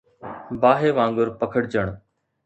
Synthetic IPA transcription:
baːɦeːʋãːŋɡʊɾpəkʰəɽd͡ʒəɳ̃

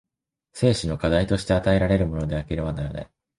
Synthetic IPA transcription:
se̞ːɕino̞kad̪ait̪o̞ɕi̥t̪e̞at̪ae̞ɾaɾe̞ɾɯ̟mo̞no̞d̪e̞akʲiɾɯβanaɾana̰j

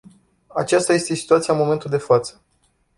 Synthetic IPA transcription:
a̰t͡ʃast̪aje̞st̪e̞si̥t̪uat̪siamo̞me̞nt̪uld̪e̞fat̪sə̥

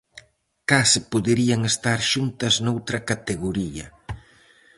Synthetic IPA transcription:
kasɪpoðeɾiɐŋest̪aɾʃunt̪ɐznowt̪ɾɐkat̪eɣoɾiɐ̰

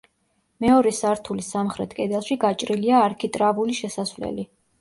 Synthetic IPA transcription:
mɛɔɾɛsaɾt̪ʰulisamχɾɛt̪ʰkʼɛd̪ɛlˠʃiɡat͡ʃʼɾiliaːɾkʰit̪ʼɾavuliʃɛsasvlɛ̰li

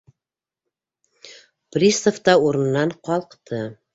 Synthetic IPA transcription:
prʲist̪ŏft̪ɑuɾɤ̆nnːɑɴqɒlˠqt̪ʰɤ

